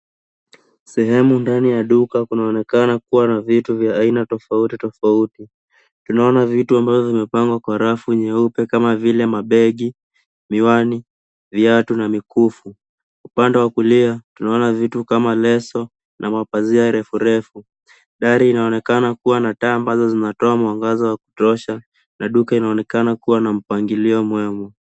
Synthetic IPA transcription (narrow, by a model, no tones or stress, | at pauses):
sɛɦɛmundanijaɗukakunaɔnɛkanakuwanavituvjaːinatɔfautitɔfauti | tunaɔnavituambavɔvimɛpaŋɡwakwaɾafuɲɛupɛkamavilɛmaɓɛɠi | miwani | viatunamikufu | upandɛwakuliatunaɔnavitukamalɛsɔ | nʔamapaziaɾɛfuɾɛfu | ɗaɾiːnaɔnɛkanakuwanataːmbazɔzinatɔamwaŋɡazɔwaku̥tɔʃa | nʔaɗukainaɔnɛkanakuwanam̩paŋɡiliɔmwɛmɔ